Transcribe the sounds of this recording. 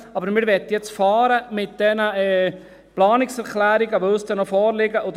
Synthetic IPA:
ɑbəɾmɪɾʋɛt̪ːjɛt͡sfɑːɾəmɪt̪̚d̥̪ɛnəɛː | plɑːnɪksɛɾklæːɾɪɡəʋoʊsd̥̪ɛnɔfɔːɾlɪɡəod̪

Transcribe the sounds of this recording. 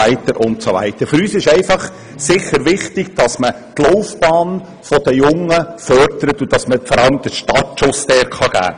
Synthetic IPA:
æɪt̪əɾʔʊntsoʋæ̰ɪt̪əɾfʏɾyːsɪʃɛɪfɑχ | sɪχəɾʋɪχtɪɡ̥d̥ɑsmə | t̪lɔʊfb̥ɑːn | fɔd̥̪əjʊŋːəfœɾdəɾət̪ud̥ɑsməfɔɾɑləmd̥̪əʃtɑtʃʊstɛːɾχɑɡ̥æ̰ː

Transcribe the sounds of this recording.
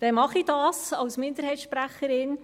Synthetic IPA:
d̥ɛnmɑχid̥ɑːsɑwsmɪnd̥̪əɾɦɛjtsʃpɾæχəɾɪn

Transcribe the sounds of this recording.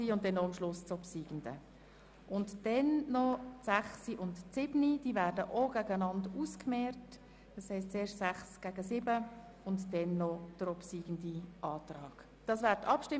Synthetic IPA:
iʊnt̚d̥ɛnːoɑmʃlʊst͡sopsiːɡ̥ən̩də̰ | ʔʊntd̥ɛnnɔsæχsiʔʊntsɪbnid̥iːvæːɾdəʔoɡ̥æɡəənɑnduskmɛːrt | d̥ɑshɛɪstt͡seːɾʃtsæχsɡ̥æːɡəsɪbə | ʊntd̥ɛnːɔd̥əɾɔpsiːɡ̥əndiʔɑːtrɑːɡ̥ | d̥ɑːsvæːɾtɑpʃtɪ

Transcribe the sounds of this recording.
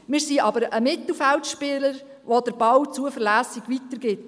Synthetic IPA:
mɪːɾsiʔɑbəɾəmɪtl̩fɛltʃpɪːləɾ | ʋod̥əɾb̥ɑwt͡suəfəɾlæːsiɡ̥ʋit̪əɾɡ̥ɪt

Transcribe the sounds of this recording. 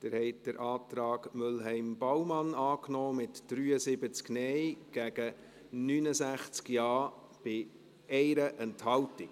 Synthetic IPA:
d̪̥əɾhɛɪt̚d̥əɾʔɑːt̪ɾɑːɡmʏlɦɛɪmbawmɑnɑːknɔːmɪtd̥ɾyːəsɪbət͡sknɛɪɡ̥æɡ̥ə | nyːnəsæχt͡skjɑː | b̥ɪ | ɛɪɾəʔɛnthɑwtɪk

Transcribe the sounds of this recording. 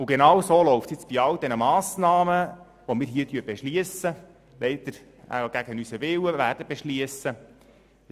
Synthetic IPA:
ʊɡenɑwsoːlɔʊftsjɪt͡sb̥iɑld̥̪ɛnəmɑːsnɑːmə | ʋomɪːɾɦiːətyːɾbɛʃliəsə | lɛɪd̪̥əɾ | æ̰ɡ̥æɡ̥ənysəʋɪwəʋæːrd̥əbeʃliəsə

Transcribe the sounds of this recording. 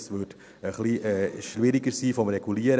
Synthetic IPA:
sʋʏt | əχliʔɛːʃlɪɾiɡəɾsiːfɔmreɡ̥uliəɾə

